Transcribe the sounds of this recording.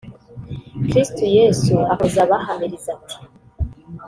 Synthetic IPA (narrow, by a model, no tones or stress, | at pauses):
kɾistujesuahozaβahamiɾizati̥